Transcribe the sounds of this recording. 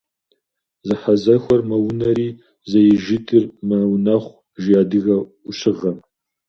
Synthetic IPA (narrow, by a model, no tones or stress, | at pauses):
zɨħɐzɐxʷɔrmɐwʊnɐɾiː | zɐjɪʒɪtʰɨrmɐwnɐχʷ | ʒijaːdɨɣɐ | ʊɕɪʁɐm